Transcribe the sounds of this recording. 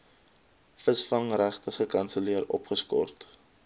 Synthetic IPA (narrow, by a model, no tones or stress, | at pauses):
fəsfɐŋræχtəχəkɐnsəliəɾɔ̰pχəskɔ̰rt